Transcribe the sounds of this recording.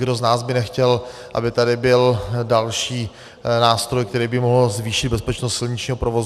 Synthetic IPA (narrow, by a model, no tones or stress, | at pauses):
ɡdo̞znaːzbɪnɛxcɛlʔa̰bɪt̪adɪbɪldalʃiː | naːst̪ɾo̞jkt̪ɛɾiːbɪmoɦl̩zviːʃɪd̪̚bɛspɛt͡ʃnost̪sɪlɲɪt͡ʃɲiːɦo̞pɾovo̞z